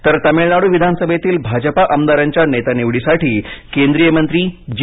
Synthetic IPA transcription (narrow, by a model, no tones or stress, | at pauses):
t̪əɾt̪əmeɭnaɽuːʋid̪ʱanəsəbʱet̪iːlbʱad͡ʑəpaʔəmd̪aɾaɲt͡ɕjanet̪aniʋɽisaʈiːkẽnd̪ɾijəmənt̪ɾiːd͡ʑ